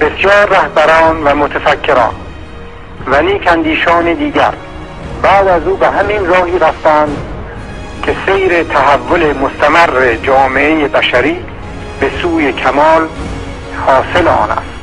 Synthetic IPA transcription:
b̥esjɒːɾːæhbæɾɒːnvæmot̪ʰæfækʰːe̞ɾɒ̰ːn | væniːkʰænd̪iːʃɒːned̪iːɟæ̰ɾ | bæːd̪æzuːbeɦæmiːnrɒːhiːɾæft̪æænd̪ | kʰesejɾet̪ʰæɦævːole̞most̪ʰæmærːed͡ʒɒːme̞ʔejebæʃæɾiː | besuːjekʰæmɒːl | hɒːselɒ̰ːnæ̰s

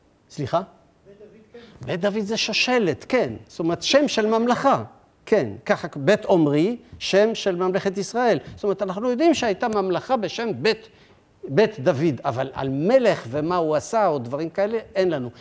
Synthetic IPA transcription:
sliχa | bet̪̚d̪avid̪zeʃoʃe̞le̞t̪kenst̪omeʁet̪ʃemʃe̞lmamlaχa | ke̞nkaχabet̪omʁiʃe̞mʃe̞lmamle̞χet̪isʁae̞lstomeet̪anaχnujo̞d̪imʃehajt̪amamlaχabeʃe̞mbet̪ | bet̪d̪avid̪avala̰lme̞leχvemauasaod̪vaʁimkae̞leenlanu

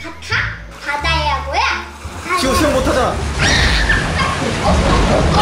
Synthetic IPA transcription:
katʰa | padaejaɡoja | t͡ɕioɕʰenmot̪ʰad͡ʑana

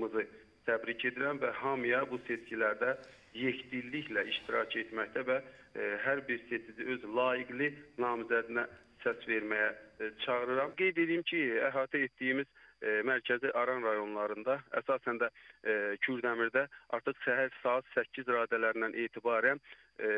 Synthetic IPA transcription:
mɯzɯ | t̪ʰæbɾicʰe̞d̪iɾæmvæɦɑmɯjɑbuse̞scilæɾd̪æ | je̞çd̪ilːiçlæiʃt̪iɾɑcʰe̞t̪mæçt̪ævæɦæɾbiɾse̞t͡ʃ̪ʰiziø̞zlˠɑːjiɡlinɑːmizæd̪inæ | sæsve̞ɾmæjæt͡ʃʰɑʁɯɾɯɾɑmɡe̞jd̪e̞d̪ijimcʰiæɦɑːt̪ʰæet̪d̪ijimizmæɾcʰæziʔɑɾɑnɾɑjo̞nlˠɑɾɯnd̪ɑæ̰sɑːsænd̪æcʰyɾd̪æmiɾd̪æʔɑ̰ɾt̪ʰɯχʃæɦæɾsɑɑt̪sæcʰːizɾɑːd̪ælæɾinænʔeːt̪ʰibɑːɾæn

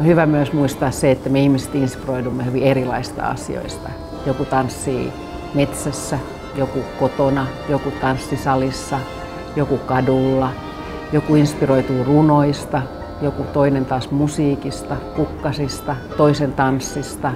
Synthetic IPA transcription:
nohyʋæmyøsmuist̪ɑːsseet̪ːæmeihmise̥t̪inspiroidumːehyʋierilɑisst̪ɑ̰ɑ̰sḭo̰ist̪ɑ | jokut̪ɑnsːḭː | met̪sæsːæ | jokukot̪onɑjokut̪ɑnsːisɑlisːɑ | jokukɑdulːɑ | jokuinspiroit̪uirunoist̪ɑ | jokut̪oinent̪ɑːsmusiːkist̪ɑkukːɑsist̪ɑt̪oisent̪ɑnsːist̪ɑ

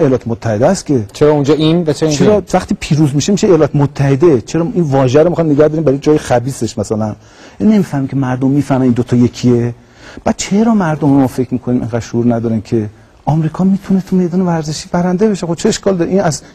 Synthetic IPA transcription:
ejlɒːt̪emot̪ʰːæhed̪eæst̪cʰe̞t͡ʃʰeɾɒːund͡ʒɒːinvæt͡ʃʰeɾit͡ʃʰeɾvæχt̪iːpʰiːɾuzmiʃemiʃeejlɒːt̪ʰemot̪ʰːæhe̞d̪et͡ʃʰe̞ɾɒːinvɒːʒeæɾomixɑjmneɡæhd̪oɾimbæɾɔjed͡ʒɒːjexæbiːse̞ʃmæsælæn | jæninemiːfæhmimcʰemæɾd̪omːiːfæhmæniːnd̪ot̪ʰɒːjekʰie | b̥æd̪̥̚t͡ʃʰe̞ɾɒːmæɾd̪ommɒːfe̞cʰmiːkʰoniːmḛŋɡæːd̪ʃouːɾnæd̪ɒːɾænkʰe̞ | ɒmɾiːkʰɒːmiːt̪ʰunet̪ʰume̞jd̪ɒːnevæɾzeʃiːbæɾænd̪e̞beʃexobt͡ʃʰeeʃkɒːld̪ɒːɾeʔiːnæz

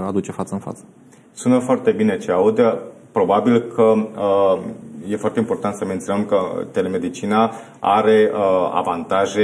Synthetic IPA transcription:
ad̪ut͡ʃe̞fat̪səɨnfa̰t̪sə̥ | sunəfoart̪e̞bine̞t͡ʃeaud̪ʲəpɾo̞babilkʰəə | je̞foart̪eimpo̞rt̪ant̪səme̞nt̪sjonəmkət̪e̞le̞me̞d̪it͡ʃina | a̰ɾe̞a̰vant̪aʒe̞

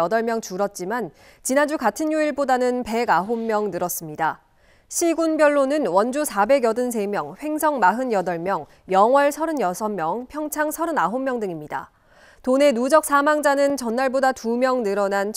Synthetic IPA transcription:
ʌdʌɭmjʌŋt͡ɕuɾʌt̚t͡ɕ͈iman | t͡ɕinand͡ʑukatʰɯnjuiɭbodanɯnpe̞ɡaɦomːjʌŋnɯɾʌs͈ɯmɲida | ɕʰiɡunbjʌɭːonɯnwʌnd͡ʑusʰabe̞ɡjʌdɯns̬ʰe̞mjʌŋɸwe̞ŋsʰʌŋmaɦɯnjʌdʌɭmjʌŋ | jʌŋwʌɭsʰʌɾɯnjʌsʰʌmːjʌŋpʰjʌŋt͡ɕʰaŋsʰʌɾɯnaɦomːjʌŋdɯŋimɲida̰ | tone̞nud͡ʑʌk̚s͈amaŋd͡ʑanɯnt͡ɕʌnːaɭbodatumjʌŋnɯɾʌnant͡ɕʰ

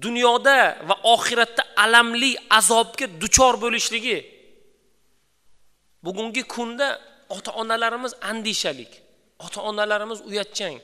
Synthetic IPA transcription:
d̪ʊnjɒd̪avaʔɒχɪɾat̪ʰːaʔalamlɪazɒb̚ɡʲad̪ʊt͡ʃʰɒɾbolɪʃlɪɡʲɪ | bʊɡʲʊŋɡʲɪkʰʊnd̪a | ɒt̪ʰaʔɒnalaɾɪmɪzand̪ɪʃalɪkʲ | ɒt̪ʰaɒnalaɾɪmɪzʊjat̪̚t͡ʃʰaŋ

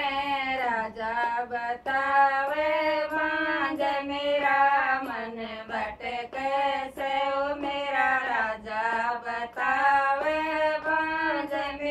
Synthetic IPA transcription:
eɾaːd͡ʒabət̪aʋeʋãd͡ʒemeːɾamənebəʈekɛseomeːɾaɾaːd͡ʒabət̪aʋeʋãd͡ʒem

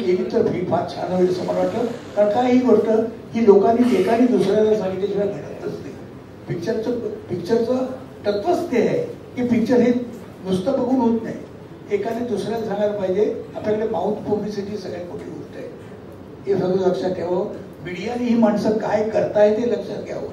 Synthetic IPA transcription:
jeniːt̪əɾfiːpʰat͡ɕʰa̰nəʋiɾsəməɽʋaʈləkaɳkaɦiːɡoɾt̪əː | hiːlokanːiekaniːd̪usɾjalasãŋɡit̪jaɕiʋabʱeɽət̪ːəst̪ḛ | pikt͡ɕəɾt͡səpikt͡ɕəɾt͡sə | ʈət̪ʋəst̪eɦe | kiːpik̚t͡ɕəɾɦi | d̪ust̪əpəɡʱuːnɦot̪na̰i | ekaniːd̪usɾjat͡ssãŋɡɭaɾpaid͡ʑeaplaklemaut̪publisiʈiːsəɡɭjakoʈʰiːɡʱoʂʈ̪əe | ɦesəd̪ələkʂat̪aʋə | miɽijaniːɦiːmaɳsəkajkəɾt̪aɦjt̪eləkʂat̪̚ɡʱja̰ʋə̰

